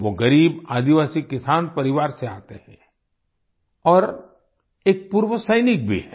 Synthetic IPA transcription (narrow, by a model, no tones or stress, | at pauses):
ʋoɡɐɾiːbaːd̪iʋaːsikːɪsaːnpɐɾɪʋaːɾseaːt̪ehɛ̰̃ | ɔːɾ | eːk̚puːɾʋəsəɪnɪk̚bʱḭɦɛː